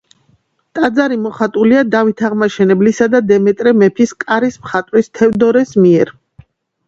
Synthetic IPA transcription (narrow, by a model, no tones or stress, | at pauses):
t̪ʼad̪zaɾimɔχat̪ʼuliad̪avit̪ʰaʁmaʃɛnɛblisad̪ad̪ɛmɛt̪ʼɾɛmɛpʰiskʼaɾismχat̪ʼwist̪ʰɛvd̪ɔɾɛsmiɛɾ